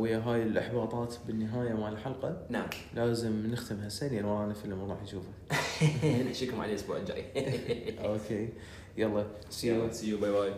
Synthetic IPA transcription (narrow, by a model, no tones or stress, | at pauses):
wɪjːaɦaːjɪlʔɑ̰ħbɑːt̪ˤɑːt̪bɪnːɪɦaːjamaʕlħɑlqɑnam | lʔaːzɪmnɪxt̪ɪmhasanjalwaːnafilʔʊmɑɾˤɑːħjʃuːfa | naʃiːkʊmʕa̰leʔʊsbṵːʕɪd͡ʒa̰ʔi | ʔoːkʰeː | jɑlˤːɑ | sisijubajbaːj